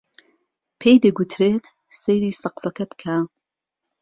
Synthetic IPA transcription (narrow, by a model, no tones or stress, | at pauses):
pʰejd̪ɨɡut̪ʰɾeːt̪ | sejɾiːsɐqfɐkʰɐbɨ̥kʰaː